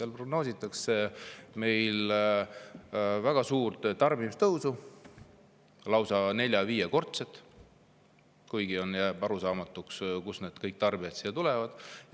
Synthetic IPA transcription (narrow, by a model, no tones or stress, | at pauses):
seɑlpro̞ɡno̞ːsit̪ːˑɑkse̞me̞jl | væɡ̥ɑsuːrt̪t̪ɑrbimist̪ɤwsu | lɑwsɑne̞lʲjɑviːjeko̞rt̪set̪ːˑ | kujɡ̥io̞njæːbɑɾusɑːmɑt̪ːˑukskusne̞ːd̪kɤjk̚t̪ɑrbiɑt̪siːɑt̪ulɛvɑd̪̥